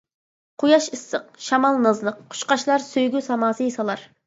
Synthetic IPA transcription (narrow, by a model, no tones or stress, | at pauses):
qʰujɑʃɨsːəqʃɑmɑlˠnɨzlˠəq̚ːʰʊ̥ʃqɑʃlˠɑɾsøjɡʲysɑmɑːsɨjsɑlˠɑɾ